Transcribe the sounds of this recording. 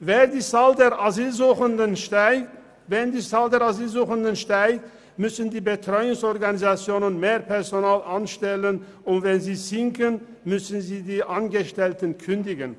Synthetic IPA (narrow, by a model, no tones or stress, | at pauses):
veːdiːt͡saːldeːʁʔaziːlzuːχəndən | vɛndiːt͡saːldeːʁaziːlzuːχəndənʃtaɪt | mʏsən̩diːbətʁ̥ɔʏʊŋsɔʁɡanizat͡sjoːnənmeːʁpʰɛʁzonaːlʔanʃtɛlən | ʊntvɛnziːzɪŋkən | mʏsn̩ziːdiːʔanɡəʃtɛltənkʰʏndɪɡən